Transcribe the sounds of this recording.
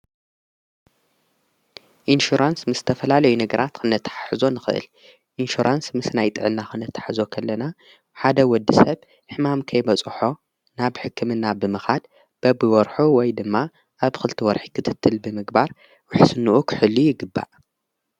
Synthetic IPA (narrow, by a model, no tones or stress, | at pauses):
ʔinʃuɾansmɨsz̥ɨ̥t̪ʰɐfɐlalɐjunɐɡɐɾat̪kʰɨnːɐt̪ʰːḁħḁħɨzo̞nɨxɨ̰ʔɨ̰l | ʔinʃuɾʔansmɨsnajt̪ʼɨʕɨnːakʰɨnɐt̪ʰːḁħzo̞kʰɐlːɐna | ħad̪ɐwɔd̪ːisɐβ | ħɨmamkʰɐjbɐt͡sʼħo̞ | naβħɨkʰːɨmɨnːabɨmɨxad̪̚ | b̥ɐbɨwɔɾħuwɔjd̪ɨmːa | ʔaβxɨlt̪ʰiwɔɾħikʰɨt̪ʰɨt̪ʰːɨlbɨmɨɡbaɾ | wʊħsɨnuʔukʰɨħɨlːujɪɡɨbːa̰ʔ